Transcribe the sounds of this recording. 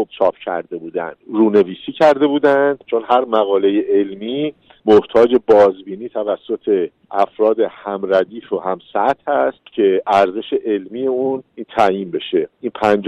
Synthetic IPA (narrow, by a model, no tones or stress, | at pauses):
ob̥t͡ʃʰɒːpcʰæ̰ɾd̪e̞buːd̪æ̰nd̪ɾuːne̞viːsiːcʰæɾd̪e̞buːd̪ænd̪t͡ʃʰo̞nhæɾmæɣɒːlejeʔelmiː | moht̪ʰɒːd͡ʒe̞bɒːzbiːniːt̪ʰævæsːo̞t̪ʰe̞ | ʔæfɾɒːd̪e̞hæmɾæd̪iːfoɦæmsæt̪ʰhæst̪cʰe̞ʔæɾzeʃe̞ʔelmiːje̞unint̪ʰæjiːnbe̞ʃe̞ʔinpʰænd͡ʒ